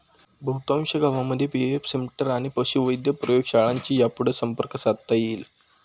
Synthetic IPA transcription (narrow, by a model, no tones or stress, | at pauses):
bʱəwt̪ãwɕəɡʱaʋamːəd̪ʱːjepieefsemiʈəɾaɽ̃ipəɕuʋəjd̪jəpɾəjoɡɕaɭaɲt͡ɕiːjapuɽ̤əsəmpəɾkəsad̪t̪ajiːl